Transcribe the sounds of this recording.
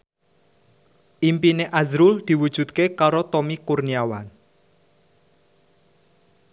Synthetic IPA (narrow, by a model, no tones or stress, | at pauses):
ʔimpineʔazɾʊld̪̥i̤wud̥ʒ̥ṳt̪̚kekaɾot̪omikurniawan